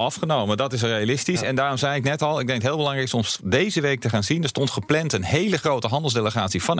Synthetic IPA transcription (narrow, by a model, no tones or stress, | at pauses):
ɑfχənowmədɑtɪs̬rejalɪstisɛndaːrɔmzɛjɪknɛtɑlˠɪɡ̚dɛŋkɦɪːlˠbəlɑŋrɛjksɔmsdejzəʋejk̚təχaːnzinəstɔntχəplɛntənɦejləχrowtəɦɑndəl̩ˠs̬deləχaːtsivɑn